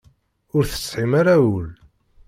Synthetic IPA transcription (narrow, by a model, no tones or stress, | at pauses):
ʊɾθə̥t͡sːħimaɾawəl